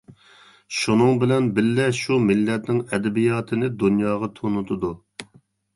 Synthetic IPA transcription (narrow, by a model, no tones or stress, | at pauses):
ʃunɨŋbɪlɛnbɪlːɛʃumɪlːɛt̪nɪŋɛd̪ɛbijɑːt̪ʰɨnɪd̪unjɑːʁɑt̪ʰonut̪ʰʊd̪u